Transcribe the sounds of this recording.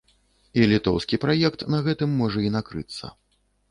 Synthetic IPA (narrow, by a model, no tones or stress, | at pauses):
ilʲit̪ɔwskʲipɾajɛkt̪nɐɣɛt̪ɨmːɔʐɐinakɾɨt̪sːɐ̰